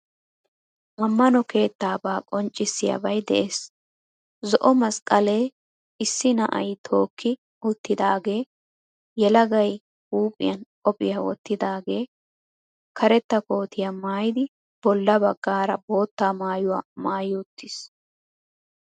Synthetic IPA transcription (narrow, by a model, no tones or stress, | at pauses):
mɐmːɐnɔke̞ːt̪ːaːbaːkʼɔnt͡ʃʼːɪsːɪjɐ̰bɐjd̪ɛʔe̞ːs | zɔʔɔmɐskʼɐle̞ː | ɪsːɪnɐʔɐ̰jt̪ʰo̞ːkʰːɪ | ʊt̪ːɪd̪aːɡe̞ː | jɛlɐɡɐj | huːpʼɪ̰jɐnkʼɔpʼːɪjɐwɔ̰t̪ːɪd̪aːɡe̞ː | kʰɐɾɛt̪ːɐko̞ːt̪ɪjamaːjɪd̪ɪ | b̥ɔlːɐbɐɡːaːɾɐ̰bo̞ːt̪ːaːmaːjʊwa̰ːmaːjʊːt̪ʰːɪs